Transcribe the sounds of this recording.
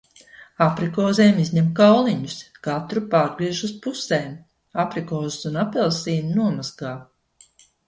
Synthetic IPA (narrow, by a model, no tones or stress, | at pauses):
apɾikɔːzeːmizɲɛmkawlˠiɲuskat̪ɾupaːɾɡɾiɛʒuspuseːm | apɾikɔːzɨsunapɛlˠsiːnunuɔmazɡaː